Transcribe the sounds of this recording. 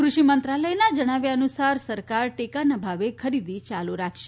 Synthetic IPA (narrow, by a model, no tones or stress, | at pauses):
kɾuʃimənt̪ɾaləjnad͡ʒəɽ̃aʋjaənusaɾsəɾkaɾʈekanabʱaʋekʰəɾid̪it͡ʃaluɾakʰʃe